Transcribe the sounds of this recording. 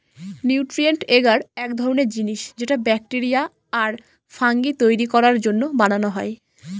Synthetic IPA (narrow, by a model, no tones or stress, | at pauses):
niuwʈɾieɳʈeɡaɾɛkd̪ʱɔɾoneɾd͡ʑiniʃd͡ʑeʈabɛk̚ʈeɾijaː | ɾ | faŋɡit̪ojɾikɔɾaɾd͡ʑonːobananoɦɔe